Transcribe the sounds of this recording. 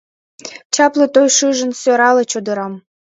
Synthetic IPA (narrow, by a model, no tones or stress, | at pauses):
t͡ɕɑplĕt̪ojʃɨʒə̆nsʲøɾɑlĕt͡ɕod̪ə̆ɾɑm